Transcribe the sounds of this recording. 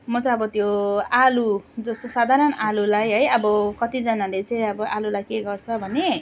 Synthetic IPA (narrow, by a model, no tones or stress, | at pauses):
mʌt͡sʌ̃ʌbʌt̪joalud͡zʌst̪osad̪ʱaɾʌnalulajɦʌjʌbʌkʌt̪id͡zʌnalet͡sʌĩʌbʌʔalulajkeɡʌrt͡sʰʌbʱʌne